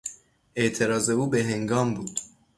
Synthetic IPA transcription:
ʔeʔt̪ʰe̞ɾɒːze̞uːbeɦe̞ŋɡɒːmbuːd̪̥

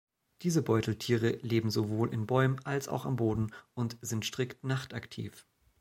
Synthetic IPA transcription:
d̥iːzəbɔʏtl̩tʰiːʁ̞əleːbm̩zovoːlʔɪ̰nbɔʏmənʔalsa̰ʊxa̰mboːdn̩ʊntz̥ɪntʃtʁ̥ɪktnaχtaktʰḭːf

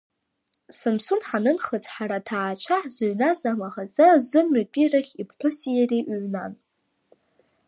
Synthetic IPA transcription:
sɨmsunħanɨnχət͡sʰʼħaɾatʰaːt͡ʃʷʰaħzɨɥnazamaχat͡sʼazɨmːʏtʼiraχʲipʰħᶣʷʊsijariʔʕnan

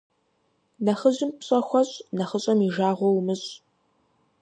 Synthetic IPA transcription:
nɐχəʑɪmpɕʼɐxʷɔɕʼnɐχəɕʼɐmiʒaːʁʷɔwmɨɕʼ

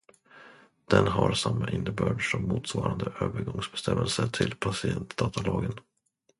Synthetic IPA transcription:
d̪̥ɛnɦaɾsamːaʔɪnːəbœːɖʂɔmːuːt̪svɑːɾand̪əʔøːvəɾɡɔŋsbɛst̪ʰɛmːəlsəʈ̪ʰɪlpʰasɪɛnt̪d̪ɑːt̪ʰalɑːɡən

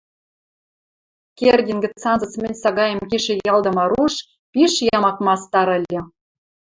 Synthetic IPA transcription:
kerdʲinɡɘ̆t͡sːɑnzɤ̆t͡smɘ̆nʲsɑɣɑjə̆mkiʃĕjɑld̪ɤ̆mɑɾuʃ | piʃjɑmɑkmɑst̪ɑɾə̆lʲːɤ̆

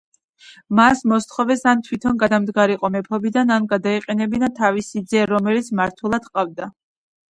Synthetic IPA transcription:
masmɔst̪χɔvɛsant̪ʰwit̪ʰɔnɡad̪amd̪ɡaɾiqʼɔmɛpʰɔbid̪ananɡad̪aiqʼɛnɛbinat̪ʰavisid̪zɛɾɔmɛlit̪sʰmaɾt̪ʰwɛlˠad̪qʼavd̪a

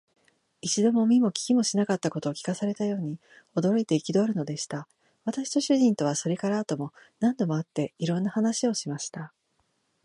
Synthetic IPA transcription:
it͡ɕid̪o̞mo̞mʲimo̞kʲi̥kʲimo̞ɕinakat̪ːako̞t̪o̞ːkʲi̥kasaɾe̞t̪ajo̞ːɲ̟i | o̞d̪o̞ɾo̞it̪e̞ikʲid̪o̞ɾɯ̟no̞d̪e̞ɕi̥t̪a | β̞at̪aɕi̥t̪o̞ɕɨʑĩnt̪o̞β̞aso̞ɾe̞kaɾaːt̪o̞mo̞ | nãnd̪o̞mo̞at̪ːe̞iɾõ̞nːahanaɕio̞ɕimaɕi̥t̪a

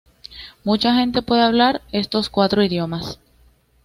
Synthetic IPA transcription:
mut͡ʃaxe̞nt̪e̞pwe̞ðe̞aβ̞laɾe̞st̪o̞skwat̪ɾo̞iðjo̞mas

